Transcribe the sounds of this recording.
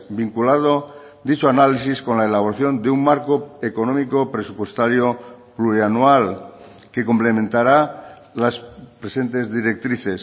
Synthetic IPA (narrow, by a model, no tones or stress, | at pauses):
biŋkulað̞o | d̪it͡ʃoanalisisko̞nlaelaβ̞oɾaθjo̞nd̪eummaɾko̞ekonõ̞mikopɾe̞supwe̞st̪aɾjopluɾianwal | ke̞komple̞mẽnt̪aɾa | laspɾe̞se̞nt̪e̞zðiɾe̞k̚t̪ɾiθe̞s